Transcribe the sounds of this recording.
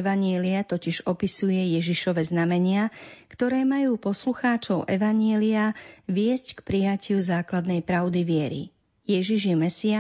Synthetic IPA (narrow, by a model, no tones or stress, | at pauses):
ʋaɲɪɛliat̪ɔciʒɔpisujɛjɛʒiʃɔʋɛznamɛɲɪakt̪ɔɾɛːmajuːpɔsluxaːt͡ʃɔʊʔɛʋaɲɪɛliaʋɪɛsckpɾijacɪuzaːklad̪nɛjpɾaʊd̪iʋɪɛɾḭ | jɛʒiʒjɛmɛsia